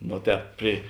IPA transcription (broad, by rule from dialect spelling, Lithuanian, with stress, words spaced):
ˈnoː ˈtʲɛːp pʲrʲɪ